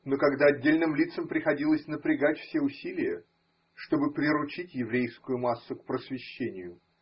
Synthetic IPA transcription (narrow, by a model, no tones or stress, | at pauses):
nokɐɡd̪aɐdʲːelʲnɨmlʲit̪səmpɾʲɪxɐdʲilˠəsʲnəpɾʲɪɡatʲfsʲeʊsʲilʲɪjə | ʂt̪o̞bɨpɾʲɪɾʊt͡ɕitʲjɪvɾʲejskʊjʊmasːʊk̚pɾəsvʲɪɕːenʲɪjʊ